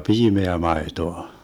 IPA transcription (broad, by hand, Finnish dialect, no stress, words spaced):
piːmeæ mɑetoɑ